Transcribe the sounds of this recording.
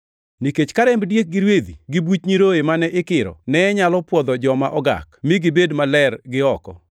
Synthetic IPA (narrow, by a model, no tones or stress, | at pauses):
niket͡ʃkaɾɛmbdjek̚ɡɪɾwed̪iɡibut͡ʃɲiɾoemanɛʔɪkɪɾɔ̰nɛːɲalɔpwɔd̪ɔd͡ʒɔmaʔɔɡa̰kmɪɡɪbedmalɛrɡɪɔkɔ̰